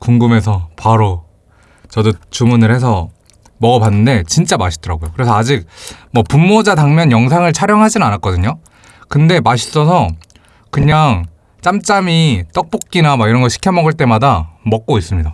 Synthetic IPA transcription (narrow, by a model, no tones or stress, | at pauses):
kuŋɡɯme̞sʰʌpaɾo | t͡ɕʌdot͡ɕumunɯɭhe̞s̬ʰʌ | mʌɡʌpanːɯnde̞t͡ɕint͡ɕ͈amaɕʰi̥d̥͈ʌɾaɡojokɯɾe̞sʰʌad͡ʑik̚mʌpumːod͡ʑataŋmjʌnjʌŋsʰaŋɯɭt͡ɕʰaɾjʌŋɦad͡ʑinɯnanak̚k͈ʌdɯɲo | kɯnde̞maɕ̬ʰi̥s͈ʌs̬ʰʌ | kɯɲaŋ | t͡ɕ͈amt͡ɕ͈amit͈ʌk̚p͈ok̚k͈inamaiɾʌnɡʌɕʰi̥kʰjʌmʌɡɯɭt͈e̞madamʌk̚k͈ois͈ɯmɲida